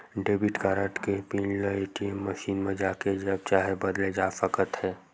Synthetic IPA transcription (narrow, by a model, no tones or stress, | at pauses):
ɖeːbiʈkaːɾə̃ʈkepĩːnləeːʈiemːəʃiːnmẽd͡ʒaːked͡ʒɐb̚t͡ʃaːɦebɐd̪led͡ʒaːfəkət̪ɦɛː